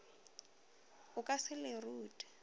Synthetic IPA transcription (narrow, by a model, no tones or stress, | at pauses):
ʊkʼasɪlɪruːtʼḁ